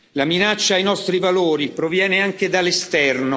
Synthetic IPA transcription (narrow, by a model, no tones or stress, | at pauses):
laminat͡ʃːaːjnɔst̪ɾivaloːɾipɾovjɛːneaŋk̟ed̪alːest̪ɛrno